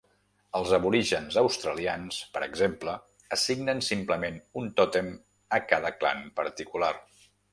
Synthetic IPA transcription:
əlˠzəβuɾiʒənzəwst̪ɾəlianspəɾə̰ɡzemplə | əsiɡnənsimpləmenunt̪ɔt̪em | əkaðəkla̰npəɾt̪ikular

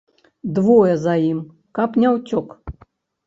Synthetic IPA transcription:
d̪vɔjɛzajim | kapnʲawt͡sʲɔk

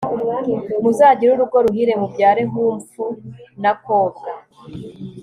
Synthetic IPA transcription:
muzaːɟiɾuɾuɡo̞ɾuhiɾe̞mubɟaːɾe̞ɦuːɱfunako̞ːza

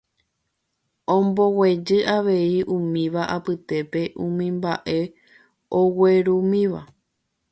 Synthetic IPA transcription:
õmbo̞we̞d͡ʒɨʔaʋe̞iʔũmĩʋaʔapɨt̪e̞pe̞ʔũmĩmbaʔe̞ | owe̞ɾumĩʋa̰

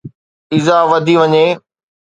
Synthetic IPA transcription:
ɪzaːʋɐd̪ʱiʋɐɲeː

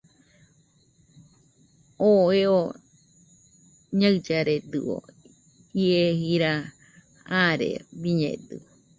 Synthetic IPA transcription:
oeo | ɲaɰd͡ʒaɾed̪ɨ̰o̰ | iehiɾa | aɾḛbiɲḛ̃d̪ɨ̰o

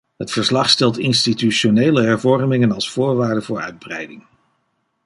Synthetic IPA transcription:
ɦətfəɹslɑχstɛlˠtɪnstityʃoneːləɦɛɹvɔɹrmɪŋənɑlˠsfʊːɹʋaːɹdəvʊːɹœ̰ɥd̚brɛjdɪŋ

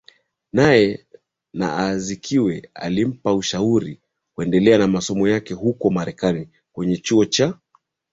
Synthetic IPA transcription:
najɛ | na̰azikʰiwɛa̰lim̩pauʃauɾi | kwɛndɛlɛanamasɔmɔjakɛhukɔmaɾɛkani | kwɛɲɛt͡ʃuɔt͡ʃa

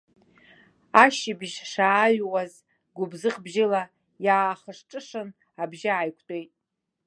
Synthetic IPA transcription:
aʃɪbʒʂaːɥwaz | ɡʷʊbzɨχbʒɪla | jaːχəʂʈ͡ʂʼɨʂɨn | abʒɪajkʷʰtʼojtʼ

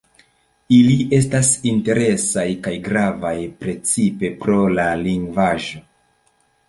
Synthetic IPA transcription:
ilie̞s̬tasinte̞ɾe̞sajkajɡɾavajpɾe̞t͡sipe̞pɾo̞laliŋɡvaʒo̞

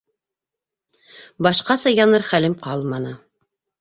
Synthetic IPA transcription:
bɑʃqɑsɑjɑnɤɾχælɘmqɑlˠmɑnɤ

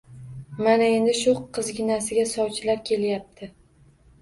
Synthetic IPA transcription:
manae̞nd̪ɪʃʊqʰːɨzɡʲɪnasɪɡʲasɒwt͡ʃʰɪlaɾkʲʰe̞ljap̚t̪ʰɪ

